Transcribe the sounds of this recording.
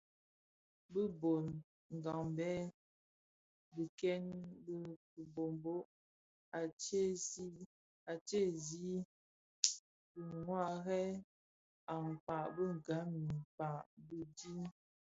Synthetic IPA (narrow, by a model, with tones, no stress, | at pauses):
bə˦bo˨n | ŋ̩˨ɡa˨ŋbɛ˦ | bə˨kɛ˦nbə˦ | u˨bo˨mbo˦ʔ | a˨t͡ʃe˦si˦ | a˨t͡ʃe˦˨zi˦ | bə˨ŋwa˦˨ɣɛ˦ | a˨ŋ˨pa˨ʔbə˦ŋ˨ɡa˨˦mi˨m˨pa˨ʔbə˦di˦